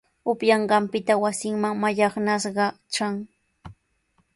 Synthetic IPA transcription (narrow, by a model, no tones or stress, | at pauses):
ʊpjɑɴɢɑmpɪt̪awasɪŋmaŋmaʎɑχnasɢɑ | t͡ʃaŋ